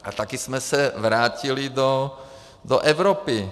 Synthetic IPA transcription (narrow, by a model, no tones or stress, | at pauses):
at̪akismɛsɛʋɾaːcilid̪ɔ | d̪ɔ̰ʔɛʊɾɔːpi